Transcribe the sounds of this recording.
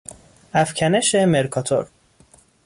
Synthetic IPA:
æfcʲʰæneʃemeɾkʰɒt̪ʰo̰ɾ

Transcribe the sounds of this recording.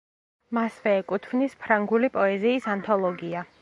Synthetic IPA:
masvɛːkʼut̪ʰvnispʰɾaŋɡulipʼɔɛziːsant̪ʰɔlˠɔɡia

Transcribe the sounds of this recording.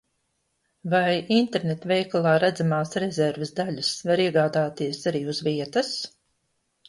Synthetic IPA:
vajint̪eɾnet̪vɛjkalˠaːɾæd̪zamaːsɾɛzɛɾvesd̪aʎʲasvaɾiɛɡaːd̪aːt̪iɛsaɾiːuzviɛt̪as

